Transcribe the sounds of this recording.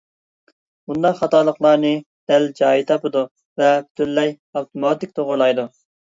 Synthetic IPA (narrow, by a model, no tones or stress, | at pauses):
bund̪ɑχɑt̪ɑlˠəχlˠɑɾnɨ | d̪̥ɛld͡ʒɑːit̪ʰɑpɨd̪u | vɛpʰy̥t̪ʰylːɛj | ɑwt̪ʰumɑːt̪ɪk̚ʲt̪ʰoʁʊɾlˠɑjd̪u